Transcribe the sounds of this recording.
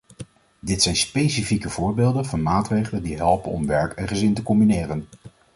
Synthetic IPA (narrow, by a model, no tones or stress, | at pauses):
dɪtsɛjnspejsifikəv̥ʊːɹbeːlˠdənvɑnmaːtrejχələndiɦɛlˠpənɔ̰mʋɛɹkɛnχəzɪntəkɔmbinɪːrən